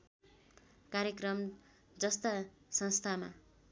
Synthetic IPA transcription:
kaɾjekrʌm | d͡zʌst̪a | sʌnst̪ʰama̰

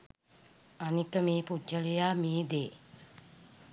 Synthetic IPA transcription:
anikəmeːpud͡ʒəlejaːmeːd̪eː

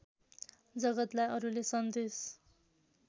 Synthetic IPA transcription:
d͡zʌɡʌt̪lajʌɾulesʌnd̪es

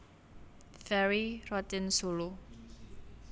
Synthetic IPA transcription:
fɛɾirɔt̪ɪnsulu

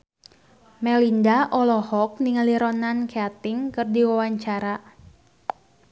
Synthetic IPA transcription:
mɛlindaʔɔlɔhɔk̚niŋaliɾɔnankeat̪ɪŋkɨrdiwawaɲt͡ʃaɾa

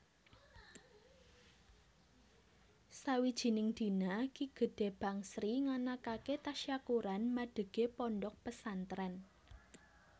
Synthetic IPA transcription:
sawid̥ʒ̥i̤nɪŋd̪̥i̤nakiɡ̥ə̤ɖ̥e̤b̥a̤ŋsɾiŋanakaket̪aʃjakuɾanmaɖ̥ə̤ɡ̥e̤pɔɳɖɔk̚pəsant̪ɾɛn

